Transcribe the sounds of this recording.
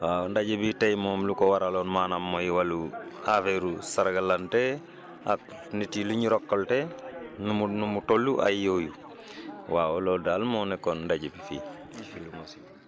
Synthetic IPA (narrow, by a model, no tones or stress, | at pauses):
wandaɟibitejmoːmlukowaɾalonmanamːojiwaluafeɾusaɾɡalante | a̰k | nitiluɲiɾokːoltenumunumutolːuʔa̰joju | wawolodalmonɛkonndaɟibifḭː | filumosi̥